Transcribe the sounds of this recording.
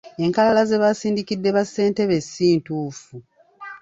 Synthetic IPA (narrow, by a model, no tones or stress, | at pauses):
e̞ŋkalalaze̞βasiːndikidːe̞βasːe̞ːnte̞βe̞sːiːntuːfu